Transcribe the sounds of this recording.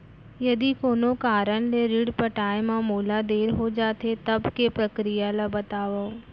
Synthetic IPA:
jɐd̪ikoːnokaːɾənleɾiɽpɐʈaːemãmoːlad̪eːɾɦod͡ʒaːt̪et̪ɐbkepɾɐkɾijalabɐt̪aːʋaõ

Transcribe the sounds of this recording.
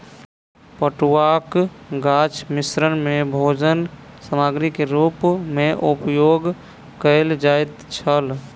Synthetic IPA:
pəʈuwakɡat͡ʃʰmisɾənmebʱod͡ʒənsəmaɡɾikeɾupmeʔupjoɡ | kəɪld͡ʒajt̪t͡ʃʰəl

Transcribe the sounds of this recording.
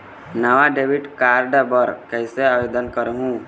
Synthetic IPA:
naʋaɖeʋiʈkaɾɖabəɾkəseaʋed̪ənkəɾɦũ

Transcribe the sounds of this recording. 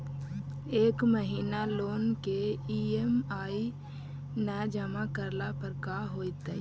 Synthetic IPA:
eːkməɦiːnaloːnkeiemaːi | nɛd͡ʒəmakəɾlapəɾkaɦoːt̪ɛ

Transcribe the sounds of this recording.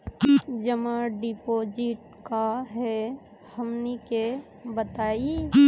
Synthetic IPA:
d͡ʒəmaɖipoːd͡ʒɪʈ | kaɦɛ | həmneke | bət̪aːi

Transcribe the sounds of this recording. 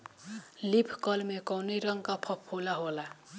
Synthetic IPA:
lipʰkʌlmekʌwnʌjɾʌŋkapʰʌpʰːolaɦola

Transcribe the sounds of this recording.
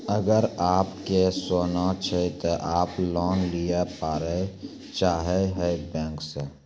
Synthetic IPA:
əɡəɾaːpkesoːnat͡ʃʰet̪oʔaːplɔːnlijepaːɾe | t͡ʃaːɦeɦɛbɛ̃ːŋkse

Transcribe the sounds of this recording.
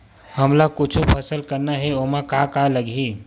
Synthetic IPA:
həmlakʊt͡ʃʰupʰəsəlkəɾnaɦɛomãkakaləɡi

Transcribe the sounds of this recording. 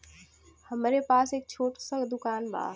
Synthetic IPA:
həmɾepaːseːk̚t͡ʃʰoːʈsə̃ŋɡd̪ʊkaːnba̰ː

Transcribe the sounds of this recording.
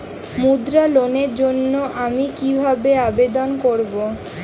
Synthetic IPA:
mud̪ɾaloneɾd͡ʑonːoʔamikibʱabeabed̪onkoɾbo

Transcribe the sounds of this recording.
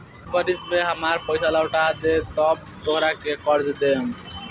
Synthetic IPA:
bəɾismeɦəmaɾpəjsalaʊʈad̪et̪əb̚ | t̪oɦɾakekəɾd͡ʒd̪em

